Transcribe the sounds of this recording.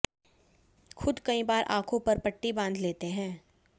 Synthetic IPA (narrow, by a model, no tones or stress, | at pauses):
xʰʊd̪kɐĩbaːɾʔã̰ːkʰõpɐɾpɐʈːibãːnd̪ʱleːt̪eɦɛ̃ː